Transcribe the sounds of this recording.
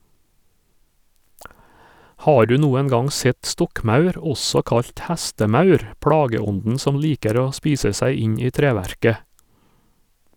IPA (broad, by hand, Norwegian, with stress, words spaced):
ˈhɑː ˈɖʉː ˈnuːɛn ˈɡɑŋ ˈsɛt ˈstɔkˌmɑʉɾ ˈɔsɔ ˈkɑʎc ˈhæstəˌmɑʉɾ ˈpɽɑːɡəˌɔndn̩ ˈsɔm ˈliːkəɾ ˈoː ˈspiːsə ˈsæɪ ˈɪɲ ˈiː ˈtɾeːʋæɾkə